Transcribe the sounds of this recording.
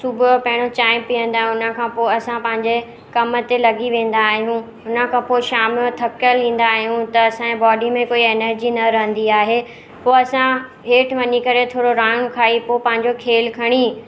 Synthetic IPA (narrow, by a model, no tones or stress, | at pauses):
sʊbʱopɐɦɪɽ̃ot͡ɕaːɪmpiə̃nd̪aːɦʊnəkʰãːpoːɐsãpɐ̃ɦɪ̃ɲd͡ʑe | kɐmət̪elɐɡiʋẽːn̆d̪aːɦijũ | ʊnə̆kʰãːpoːʃaːmɪot̪ʰɐkjəlʋĩːn̆d̪aːɦijũt̪ɐːsãẽbɔːɖimẽkoːieːnəɾd͡ʑinɐɾɐɦə̃nd̪iaːɦeː | poːɐsã | ɦeːʈʋɐɲikɐɾet̪ʰoːɾoɾaːj̃ʊ̃kʰaːipoːpɐ̃ɦɪ̃ɲd͡ʑokʰeːlkʰɐɽ̃i